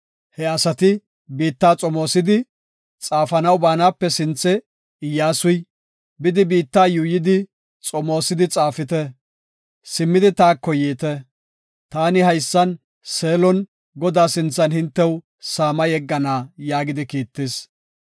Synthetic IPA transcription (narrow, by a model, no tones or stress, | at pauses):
hɛɐsɐt̪ɪ | biːt̪ːaːt͡sʼɔmoːsɪd̪ɪ | t͡sʼaːfɐnɐwbaːnaːpːɛsɪnt͡sːɛ | ɪjːaːsʊj | bɪd̪ɪbiːt̪ːaːjʊːjɪd̪ɪ | t͡sʼɔmo̞ːsɪd̪ɪt͡sʼaːfɪt̪ɛ | sɪmːɪd̪ɪt̪aːkːɔjiːt̪ɛ | t̪aːnɪhɐjsːɐn | se̞ːlɔn | ɡɔd̪aːsɪnt͡sːɐnhɪnt̪ːɛw | saːmɐjɛɡːɐnaːjaːɡɪd̪ɪkiːt̪ːɪs